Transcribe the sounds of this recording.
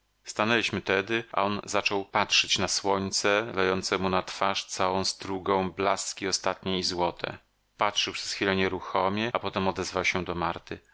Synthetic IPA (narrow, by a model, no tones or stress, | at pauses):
st̪anɛlʲiɕmɘt̪ɛd̪ɘʔa̰ɔnzat͡ʂɔwpatʂɛt͡ɕnaswɔɲt̪sɛlɛjɔnt̪sɛmunat̪faʂt̪sawɔ̃w̃st̪ɾuɡɔ̃w̃blaskʲiɔst̪at̪ɲɛizwɔt̪ʰɛ̰ | patʂɘwpʂɛ̥sxfʲilɛɲɛɾuxɔmʲjɛapɔt̪ɛmɔd̪ɛzvawɕɛd̪ɔmaɾt̪ɘ